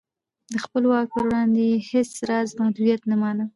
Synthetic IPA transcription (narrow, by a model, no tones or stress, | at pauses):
d̪əxpəlwɑk̚pəɾwɽɑnd̪ejehesɾɑzmahd̪udijat̪namɑnə